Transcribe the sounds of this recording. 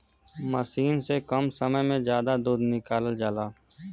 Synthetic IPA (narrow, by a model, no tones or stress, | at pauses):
məsiːnsekəmsəməjmẽzjaːd̪ad̪uːd̪nɪkaːləld͡ʒaːlaː